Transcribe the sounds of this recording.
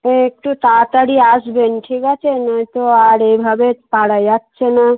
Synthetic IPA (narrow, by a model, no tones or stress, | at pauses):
ẽek̚ʈut̪at̪aɽiasbenʈʰikat͡ʃʰenət̪oaɾebʱabepaɽajat̪ːt͡ʃʰena